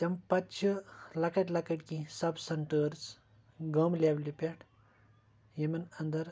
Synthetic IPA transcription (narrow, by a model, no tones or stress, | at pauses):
t̪ʲɐmpɐt͡ʃʰilɐkɐʈlɐkɐʈkisɐbsɐɳʈəɾz | ɡɐmlʲeblipʲaʈʰ | jemɐnɐnd̪ɐɾ